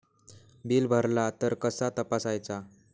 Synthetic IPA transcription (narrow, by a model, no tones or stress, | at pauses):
biːlbʱəɾlat̪əɾkəsat̪əpasajt͡sa